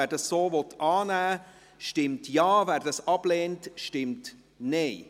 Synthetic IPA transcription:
æɾd̥ɑsːoːvɔtʔɑːnæː | ʃtɪmtjɑːvæːɾdɑsɑb̥lɛːntʃtɪmt | neɪ

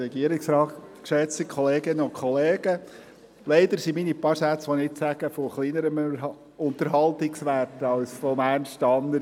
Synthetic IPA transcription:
ɛɡiəɾɪksɾɑːtkʃɛt͡sikχɔleːɡɪnəʊnkʰχɔleːɡ̥ə | leɪd̪əɾsiminipɑɾsæt͡sʋɔnɪɪtsæɡ̥əfɔχliːnəɾəm | ʊnt̪əɾɦɑlt̪ɪksʋærtɑʊsfomænʃt̪ɑnːəɾ

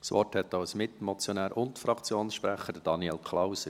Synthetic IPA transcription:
sʋɔ̰rthɛt̪ːɑʊsmɪtmɔt͡sjɔnæːɾʔʊntfɾɑkt͡sjoːnsʃpɾæχədəd̥ɑniɛlkʰlaʊsə

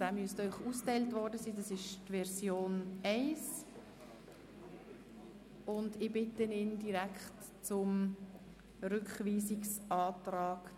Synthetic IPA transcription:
d̥aːmyəstœʏχuːsktɛɪltvɔɾdəsiːdɑsɪʃtvɛɾzjoːnɛɪs | ʊndɪbɪtənɪndiɾækχt | t͡sʊm | ɾʏkχviːsiksʔɑːtɾɑːɡ̥

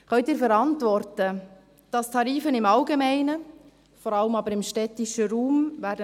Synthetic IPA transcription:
χœɥtɪːɾfɛɾɑntʋɔɾtə | d̥ɑst̪ʰɑɾiːfənɪmɑlɡemæɪnə | fɔɾɑləmɑbəɾɪmʃtɛtɪʃəɾuːmvæːɾdə

